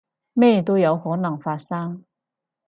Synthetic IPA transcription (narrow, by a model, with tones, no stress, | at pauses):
me˥˩jt̪̬o˥wjɐ˨˧˥whɔː˨˥nɐ˨˩ŋfaː˧t̚sɐ˥ŋ